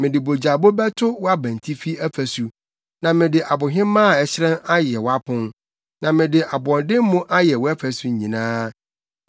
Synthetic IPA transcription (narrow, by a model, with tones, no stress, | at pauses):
mɪ̃˨dɪ˨bo˨d͡ʑa˨bo˦bɛ˦tʰʊ˦wɔ˦a˦bæ̃˨n˨tʰi˦fi˦æ˦fæ˨su˨ | nã˨mɪ̃˨dɪ˨ʔa˨bʊ˨ɦɪ̃˦mãː˦˨ɛ˨ɕɪ˦ɾɛ̃˦na˦jɛ˨wɔ˨˦a˦pʰʊ̃˦n | nã˨mɪ̃˨dɪ˨ʔa˨bɔ̃˨ndɪ˦m˦mʊ̃˦ʔa˦jɛ˨wɔ˦æ˦fæ˨su˦˨ɲɲĩ˨nãː˦